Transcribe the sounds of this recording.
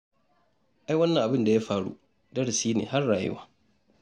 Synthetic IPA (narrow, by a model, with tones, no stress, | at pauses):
ʔa˦jwɐ˦nːɐ˨ŋʔa˨bɪ˦nda˨ja˦ɸaː˦˨ɽṵ˦ | dɐ˦ɽsiː˦nḛː˨ɦa˦rːaː˨jɪ̰˦wa˦